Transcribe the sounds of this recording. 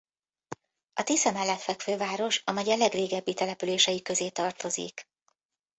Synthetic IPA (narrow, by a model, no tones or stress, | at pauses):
ɒt̪isɛmɛlːɛt̪fɛkføːvaːɾo̞ʃɒmɛɟɛlɛɡreːɡɛbːit̪ɛlɛpyleːʃɛjikø̞zeːt̪ɒrt̪o̞zḭk